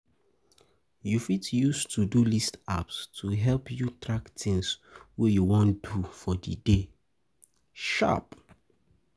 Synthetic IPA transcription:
jufitjustʰudulista̰pstʰuɦɛlpjutɹaktɪ̃ŋswɛjuwɔ̃ndufɔdḭde | ʃa̰p

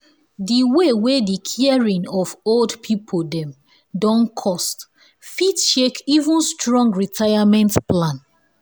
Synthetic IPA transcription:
diwewedikʰiɛɹĩŋɔvoldpʰipʰodɛ̃m | dɔ̃nkʰɔst | fitʃekivũnstɹɔ̃ŋɡɹitʰaɪamɛ̃ntplãn

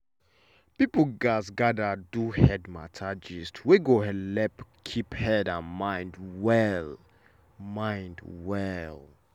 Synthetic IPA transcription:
pipl̩ɡasɡadaduhɛdma̰tʰad͡ʒistʰweɡohɛdlɛpkʰiphɛdãnmãɪ̃ndwɛl | mãɪ̃ndwɛl

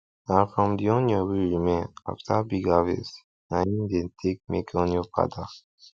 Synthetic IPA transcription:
nãnfɹɔ̃mdiɔ̃njɔwiɹimẽna̰ftʰabiɡavḛs | nãnĩndẽntʰek̚mḛkʰɔ̃njɔpa̰da

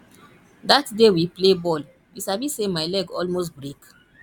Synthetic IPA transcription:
datdewiplebɔl | wisavisemaɪlɛɡɔlmos̬tbɹek

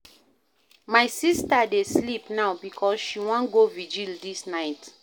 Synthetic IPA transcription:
majsistadeslipnawbikʰɔsʃiwɔ̃nɡovid͡ʒildisnaɪt

